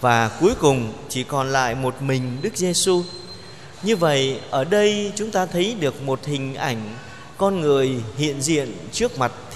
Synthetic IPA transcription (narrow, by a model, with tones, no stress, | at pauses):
vaː˨˩ku˨˦jkʊ˨˩ŋ͡mt͡ɕi˧˩kɔ˨˩nla̰ː˧˨jmo˨˩t̚mï˨˩ŋ̟ɗɨ˦˥k̚ze˧su˧ | ɲɨ˧və̰˧˨jʔəː˧˩ɗə˧jt͡ɕʊ˨˦ŋ͡mt̪aː˧t̪ʰə˨˦jɗɨ˨˩ək̚mo˨˩t̚hï˨˩ŋ̟ʔa˧˩jŋ̟ | kɔ˧nŋɨ˨˩əjhḭ˧˨ənzḭ˧˨ənt͡ɕɨ˦˥ək̚ma˨˩t̚